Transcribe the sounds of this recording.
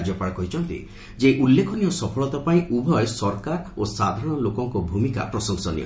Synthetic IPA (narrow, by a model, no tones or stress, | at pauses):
d͡ʒɔpaɽkɔɦit͡ʃʰɔnt̪ḭ | d͡ʒeʔulːekʰɔnijɔsɔpʰɔɭɔt̪ɔpaĩʔubʱɔjsɔɾkaɾosad̪ʱaɾɔñɔlokɔŋkɔbʱumika̰pɾɔsɔŋsɔnḭɔ̰